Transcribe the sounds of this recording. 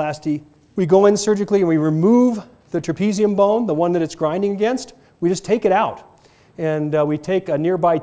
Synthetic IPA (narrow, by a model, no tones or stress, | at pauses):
æsti | wiɡoʊɨ̃nsɜ˞d͡ʒɨkliɨ̃nwiɹɨmuv | ðɨtʰɹ̥ɨpʰiziɨ̃mbõʊ̃nðəwʌ̃nðɨɾɨtsɡ̥ɹãɪ̃ndɪ̃ŋɨɡɛ̃nst̚ | wid͡ʒʌstʰeɪkɨɾaʊt | ɨ̃nwitʰeɪkɨnɪɹbaɪ